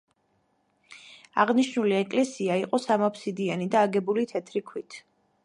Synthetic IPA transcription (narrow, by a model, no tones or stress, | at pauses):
aʁniʃnuliɛkʼlɛsiaiqʼɔsamapʰsid̪ianid̪aːɡɛbulit̪ʰɛt̪ʰɾikʰwit̪ʰ